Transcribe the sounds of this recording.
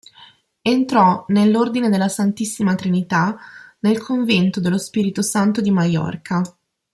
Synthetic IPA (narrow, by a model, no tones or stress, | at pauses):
ent̪ɾɔnelːord̪ined̪elːasant̪isːimat̪ɾinit̪anelkʰoɱvɛnt̪od̪elospiːɾit̪osant̪od̪imajɔ̰rkʰa